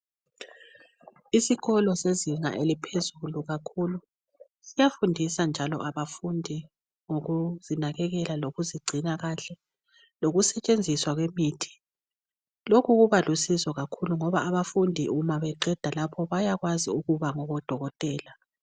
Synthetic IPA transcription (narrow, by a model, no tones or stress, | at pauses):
isiɣɔlɔseziŋa̰ʔelipʰezuluɣakʰulu | sijafundʱisand͡ʒʱalɔ̰ʔaβafundʱi | ŋoɣuzinaɣɛɣɛlaloɣuziɡ͡ǀʱinaɣaɬɛ | loɣusɛt͡ʃʼend͡zʱiswaɣwemiːtʰi̥ | lokʰuɣuβalusizɔɣakʰuluŋɔβaːβafundʱiʔumaβɛǃɛd̥ʱalapʰɔβajaɣwaziuɣuβaŋɔɣɔd̥ʱɔɣɔtʼɛːla